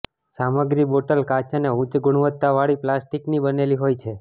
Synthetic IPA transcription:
saməɡɾiboʈəlkat͡ʃaneũt͡ʃɡʊɽ̃ʋət̪ːaʋaɭiplasʈiknibəneliɦojt͡ʃʰe

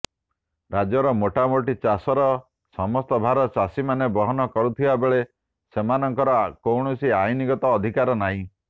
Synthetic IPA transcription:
ɾad͡ʒɔɾɔmoʈamoʈit͡ʃasɔɾɔ | sɔmɔst̪ɔbʱaɾɔt͡ʃasimanebɔɦɔnɔkɔɾut̪ʰibabeɭe | semanɔŋkɔɾɔkowɳɔsiajniɡɔt̪ɔːd̪ʱikaɾɔnaɦĩ

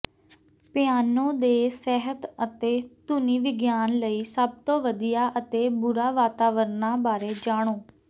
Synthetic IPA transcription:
pɪaːnõːd̪eːsɛːɦət̪ət̪eːt̪ʊniːʋɪɡjaːnləiːsəb̚t̪õːʋəd̪ijaːʔət̪eːbʊɾaːʋaːt̪aːʋəɾnaːbaːɾeːd͡ʒaːɽ̃oː

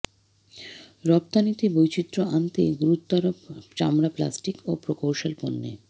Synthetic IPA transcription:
ɾɔp̚t̪anit̪ibojt͡ɕit̪ːɾoant̪eɡuɾut̪ːaɾot͡ɕamɾapla̰sʈikopɾokowʃalponːḛ

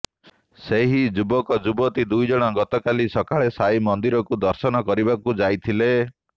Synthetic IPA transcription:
seɦid͡ʒubɔkɔd͡ʒubɔt̪id̪ujd͡ʒɔɽ̃ɔɡɔt̪ɔkalisɔkaɭesajmɔnd̪iɾɔkud̪ɔɾsɔnɔkɔɾibakud͡ʒajt̪ʰile

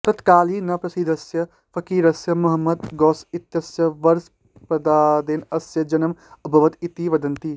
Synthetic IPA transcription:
t̪ɐt̪kaːlinɐpɾɐsid̪ʱɐsjɐ | pʰɐkiːɾɐsjɐmɐɦɐmːɐd̪ɡɔːsit̪jɐsjɐʋɐɾs | pɐd̪aːd̪eːnɐsjɐd͡ʒɐnɐmɐbʱɐʋɐt̪it̪iʋɐd̪ɐnt̪i

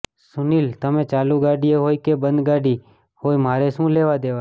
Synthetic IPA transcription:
sʊniːlt̪əmẽːt͡ʃaːluɡaːɖieɦoːikebə̃nd̪ɡaːɖiː | hoːimaːɾesũːleːʋad̪eːʋa

